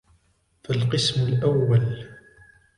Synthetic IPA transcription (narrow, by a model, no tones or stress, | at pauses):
falqɨsmʊlʔæwːal